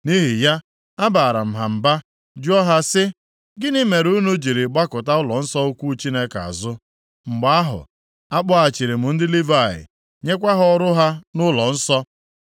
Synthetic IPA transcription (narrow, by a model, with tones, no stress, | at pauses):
ni˦ɦi˨ja˦ | a˦ba˨ɾa˨m̩˨ɦa˨m̩˨ba˦ | d͡ʒu˦ɔ˦ɦa˦sɪ˦ | ɡɪ˦ni˦me˨ɾu˦nu˦d͡ʒi˨ɾi˨ɡ͡ba˦kʊ˨ta˦ʊ˦lɔ˨n̩˦sɔ˦o˦kʷu˦t͡ʃi˦ne˦ka̰˨zʊ˦ | ŋ͡m̩˨ɡ͡ba˨˦a˦ɦʊ̰˨ | a˦k͡pʊ˦a˨t͡ʃi˨ɾi˨mʊ˨n̩˦dɪ˦li˦va˦˨ɪ̰˨ | ɲe˦kʷa˦ɦɔ˦ɾʊ˦ɦa˦nʊ˦lɔ˨n̩˦sɔ˦